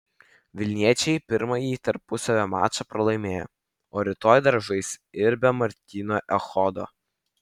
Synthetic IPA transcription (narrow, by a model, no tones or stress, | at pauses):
ʋʲɪlʲnʲiɛt͡ʃʲɛɪpʲɪɾmɐjiːt̪ɐɾpʊsɐʋʲoːmɑ̰ːt͡ʃɐpɾɐlˠɐɪmʲeːjo̰ | oːɾʲɪt̪oːjd̪ɐɾʒɐɪsɪɾbʲɛmɐɾʲt̪ʲiːnoːʔɛxɔd̪o̰ː